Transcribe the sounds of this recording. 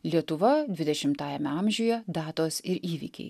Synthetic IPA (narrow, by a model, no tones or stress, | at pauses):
lʲiɛt̪ʊʋɐd̪ʲʋʲɪd̪ʲɛʃʲɪmt̪ɑːjɛmʲɛɐˑmʲʒʲujɛd̪ɑːt̪oːsɪɾiːʋʲḭkʲɛ̰ɪ